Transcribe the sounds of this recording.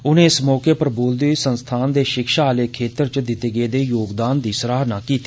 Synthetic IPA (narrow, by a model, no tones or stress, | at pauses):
ʊnẽːɪsmɔːkeːpəɾboːld̪iːsənst̪ʰaːnd̪eːʃɪkʃaːleːkʰeːt̪əɾt͡ʃd̪ɪt̪eːɡeːd̪eːjoːɡd̪aːnd̪iːsəɾaːɦnãːkiːt̪i̥ː